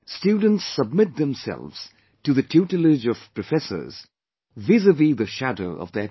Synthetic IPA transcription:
stjʉdⁿn̩tsʌb̚mɪt̪̚ðə̃msɛ̰lˠvz̥ | tɨðɨtʰʉtɨlɪd͡ʒʌv̥pʰɹ̥ɨfɛsə̰˞z̥ | vɪzəvliðɨʃædoʊʔʌ̰vðə˞

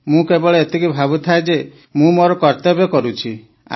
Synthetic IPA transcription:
mũkebɔɭeet̪ikibʱabut̪ʰaed͡ʒe | mũmoɾɔkɔɾt̪ɔbekɔɾut͡ʃʰi | a̰

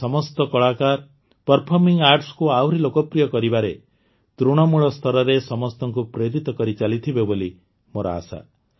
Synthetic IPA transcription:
sɔmɔst̪ɔkɔɭakaɾ | pɔɾpʰɔɾmiŋɡaɾʈskuawɾilokɔpɾijɔkɔɾibaɾe | t̪ɾuɽ̃ɔmuɭɔst̪ʰɔɾɔɾesɔmɔst̪ɔŋkupɾeɾit̪ɔkɔɾit͡ʃalit̪ʰibeboli | moɾɔ̰a̰sa̰

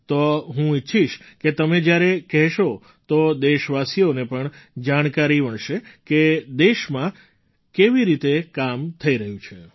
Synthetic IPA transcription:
t̪oɦũɪtːʃʰiʃket̪əmed͡ʒjaɾekɛɦʃo | t̪od̪eʃʋasijonepəɳd͡ʒaɽ̃kaɾiʋəɳʃeked̪eʃmã | keʋiɾit̪ekamt̪ʰəiɾəɦjũt͡ʃʰe

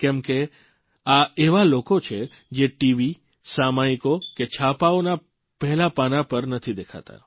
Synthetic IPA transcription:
kɛ̃mke | aeʋalokot͡ʃʰe | d͡ʒeʈiʋi | samaikoket͡ʃʰapaona | pɛɦɛlapanapəɾnət̪ʰid̪ekʰa̰t̪a̰

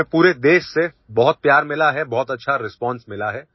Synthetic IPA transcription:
puːɾed̪eːʃse | bɔɦʊt̪̚pjaːɾmɪlaɦɛbɔɦʊt̪ɐtːʃʰaɾɪspɔ̃ːnsmɪlaɦɛː

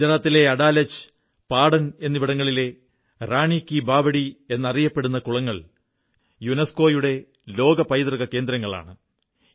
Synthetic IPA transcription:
d̪ɐɾɐt̪ːile̞ɐɽaːlɐt͡ɕːɨ̥ | paːɽɐne̞nːiʋiɽɐŋːɐɭile̞ | raːɳikːibʱaːbɐɽie̞nːɐrijɐpːe̞ɽunːɐkuɭɐŋːɐɭ | junɐsko̞ːjuɽe̞ | lo̞ːɡɐpɐjt̪rɐɣɐke̞ːnd̪ɾɐŋːɐɭa̰ːɳɨ

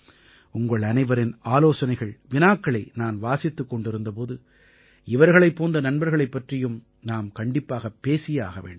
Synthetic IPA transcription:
ʊŋɡɐɭɐnɐɪʋɐɾɪnaːloːsɐnɐɪɣɐɭʋɪnaːkːɐɭɐɪnaːnʋaːsɪt̪ːɯkːɔɳɖɪɾɯnd̪ɐpoːðɯ | ɪʋɐɾɣɐɭɐɪpːoːndɐnɐnbɐɾɣɐɭɐɪpːɐʈrɪjɯm | naːmkɐɳɖɪpːaːɣɐpːeːsɪjaːɣɐʋḛːɳɖm

